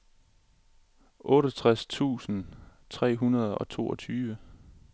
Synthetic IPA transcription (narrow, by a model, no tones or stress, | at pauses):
ʔɔ̽ːɾɐt͡sʰʁast͡sʰṵːsn̩ | t͡sʰʁɛ̰ːɦunɐð̞ˠɒ̽t͡sʰo̝̰ːɒt͡sʰyːʋə